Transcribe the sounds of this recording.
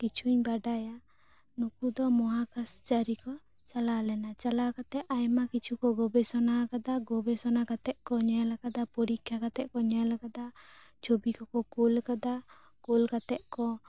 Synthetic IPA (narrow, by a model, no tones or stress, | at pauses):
kit͡ʃʰuɲbaɖaja | nukud̪ɔmɔɦakast͡ʃaɾikɔ | t͡ʃalalɛnat͡ʃalakat̪ɛʔajmakit͡ʃʰukɔɡɔbɛsɔnakad̪aɡɔbɛsɔnakat̪ɛʔ̪̚kɔɲajlakad̪apɔɾikʰjakat̪ɛʔ̚kɔɲajlakad̪at͡ʃʰobikɔkɔkulkad̪akulkat̪ɛʔ̚kɔ